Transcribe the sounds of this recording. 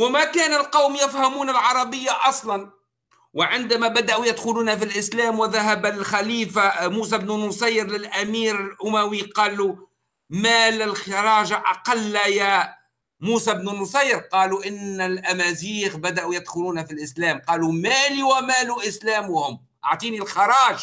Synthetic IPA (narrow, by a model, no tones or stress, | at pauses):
wɪmækæːnɪlqɑwmjɪfhamuːnalʕɑɾˤɑbɪjːaʔɑsˤlɑn | wɪʕɪnd̪amæbad̪aʔujɪd̪xʊluːnæfilʔɪslæːmwɪðaɦabalxæliːfamuːs̬abnunʊsɑjːɾlɪlʔæmiːɾɪlʔʊmæwiqɑːlu | mælɪlxɪɾˤɑːʒaʔɑqɑlːjæ | muːsabnunʊsˤɑjːɾqɑːluʔɪnːɪlʔæmæziːxbæd̪aʔujɪd̪xʊluːnæfilʔɪslæːmqɑːlumæliwæmæːluʔɪslæːmʊhʊm | ʔɑʕt̪ˤiːnilxɑɾˤɑːʒ